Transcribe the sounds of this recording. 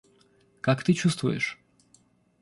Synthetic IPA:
kakt̪ɨt͡ɕust̪vʊjɛ̰ʂ

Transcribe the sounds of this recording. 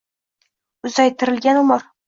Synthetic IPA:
ʊzajt̪ʰɪɾɪlɡʲanʊmɒɾ

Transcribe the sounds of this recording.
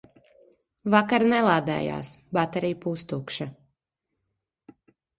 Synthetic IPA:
vakaɾnɛlˠaːd̪ɛ̰ːja̰ːsbat̪aɾijpust̪ukʃa

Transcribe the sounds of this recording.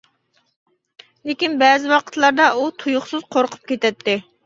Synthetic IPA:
lekʲinbɛːzɪwɑqʰə̥t̪lˠɑɾd̪ɑut̪ʰujʊχsɨz̥qʰoɾqʰʊ̥p̚kʲet̪ɛt̪ːɪ

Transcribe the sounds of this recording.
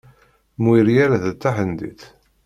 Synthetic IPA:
mwiɾjaɾaðət͡s̪ːaħənd̪ḭθ

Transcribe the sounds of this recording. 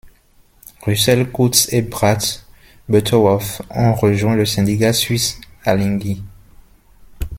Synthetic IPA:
ʁysɛlkut̪sebʁat̪ | bøt̪ʰɔɔfɑ̃ʁəʒwɛ̃ləsɛ̃d̪ikasɥisalĩɡi

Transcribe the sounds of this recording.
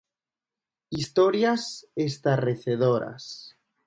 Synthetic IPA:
ist̪oɾjasest̪areθeðoɾa̰s

